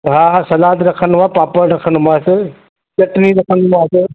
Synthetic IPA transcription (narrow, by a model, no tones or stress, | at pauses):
ɦaːɦasɐlaːd̪ɾɐkʰən̆maːpaːpəɾɾɐkʰənmaːsɪ | t͡ɕɐʈniɾɐkʰənmaːsɪ